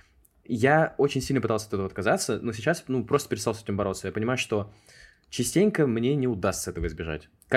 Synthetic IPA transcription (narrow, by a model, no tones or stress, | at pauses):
jao̞t͡ɕɪnʲsʲilʲnpɨt̪alˠsʲəɐt̪ɛt̪əvəɐt̪̚kɐzat̪səno̞sʲɪt͡ɕːasnupɾo̞st̪əpʲɪɾɪt̪st̪alˠsɛtʲɪmbɐɾo̞t̪səjapənʲɪmajʊʂt̪o̞ | t͡ɕɪsʲtʲenʲkəmnʲenʲɪʊd̪ast̪səɛt̪əvəɪzbʲɪʐa̰tʲ | k